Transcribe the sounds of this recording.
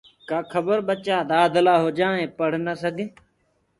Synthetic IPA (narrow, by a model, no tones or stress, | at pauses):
kaːkʰəbəɾɓət͡ʃaːd̪aːd̪əlaːɦoːd͡ʒaːẽːpəɽ̤nəsəɡʱeː